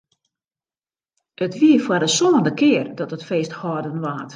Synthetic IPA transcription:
ətʋiəfwardəsoːndəkɪərdɔtətfeːsthɔrdənʋaːt

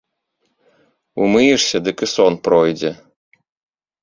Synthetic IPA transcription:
umɨjiʂsʲɐd̪ɨkɨsɔnpɾɔjd͡zʲɛ

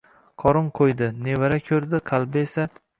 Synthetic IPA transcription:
qʰɒɾʊɴqʰojd̪ɪnevaɾakʲʰɵɾd̪ɪqʰɑlˠbɪesa

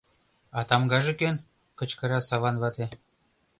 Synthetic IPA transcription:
ɑt̪ɑmɡɑʒĕkøn | kə̆t͡ɕkɤ̆ɾɑsɑβɑnβɑt̪e

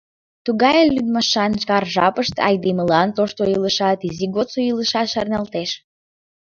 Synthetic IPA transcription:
t̪uɣɑjəllyd̪mɑʃɑnʃkɑrʒɑ̰pəʃt̪ɑ̰jd̪eməlɑnt̪oʃt̪oiləʃɑt̪iziɣot̪t͡soiləʃɑt̪ʃɑrnɑlt̪eʃ

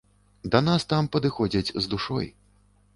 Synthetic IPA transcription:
d̪ɐnast̪ampɐd̪ɨxɔd͡zʲɐt͡sʲzd̪uʂɔ̰j

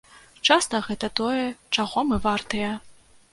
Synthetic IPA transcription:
t͡ʂast̪ɐɣɛt̪ɐt̪ɔjɛt͡ʂaɣɔmɨvart̪ɐjɛ

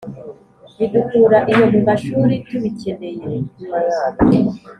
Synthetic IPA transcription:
βidukuɾaʔijomuŋɡaʃuːɾituβicendejeɾeɲumajaːni

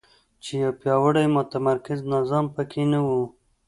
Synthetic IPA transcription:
t͡ʃejawpjɑwəɽajmʊt̪amaɾkɪznazɑmpəkʰenawu

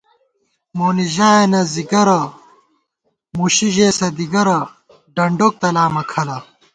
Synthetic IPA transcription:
moːniʑaːenɐziɡɐɾɐ | muɕiʑeːsɐd̪iɡɐɾɐ | ɖɐɳɖok̚t̪ɐlaːmɐkʰɐlɐ

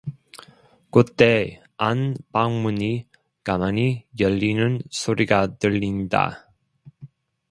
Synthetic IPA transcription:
kut̪ːe | anpaŋmuni | ɡ̥amanijəlːinɯnsoɾiɡad̪əlːind̪a̰

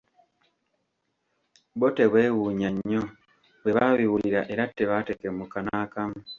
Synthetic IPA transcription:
boteβwewuːɲaɲːo | βwe̞βaβiwuliɾaʔe̞ɾatːeβatekemukanaːkamu

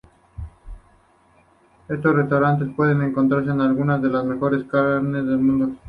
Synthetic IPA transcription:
e̞st̪ore̞st̪awɾant̪̬e̞spwe̞ðe̞nẽŋkont̪ɾaɾs̬e̞ːnalɣunazðe̞lazme̞xo̞ɾe̞skaɾne̞zðe̞lmũnd̪o

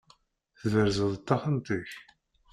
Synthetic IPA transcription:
θðəɾzəðˤət̪ːɑχənt̪iç

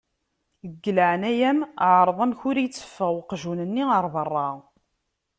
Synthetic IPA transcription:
əɡːələʕənæjæmʕɾˤəðˤæmçʊɾijət͡sːə̥fːəʁwqʒunənːiəɾˤðərˤːɑ

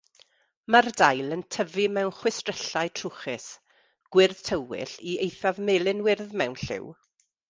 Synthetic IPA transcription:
mardajlˠəntʰəvimɛwnχwɪstrɛɬaɨtʰrʊχɪs | ɡ̥wɪrð̥tʰəwɪ̰ɬiejθavmelˠɪnwɪrðmɛwnɬɪ̰w

